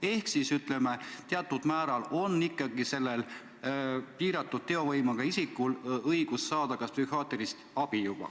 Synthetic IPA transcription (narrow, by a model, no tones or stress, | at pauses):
e̞hksisyt̪le̞me̞t̪eɑt̪ːˑud̪̥mæːɾɑlo̞nːikˑːɑɡise̞lːel | piːɾɑt̪ːˑud̪̥̚t̪e̞o̞vɤjmɑɡ̥ɑisikːˑulɤjɡ̥usːɑːd̪̥ɑkɑspsyhɑːt̪eɾist̪ɑb̥ijub̥ɑ̰